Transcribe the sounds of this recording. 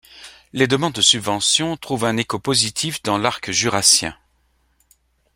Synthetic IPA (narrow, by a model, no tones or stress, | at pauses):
led̪əmɑ̃d̪ːəsybvɑ̃sjɔ̃t̪χuvɛ̃nekopozit̪ʰifd̪ɑ̃laʁkʒyʁasjɛ̰̃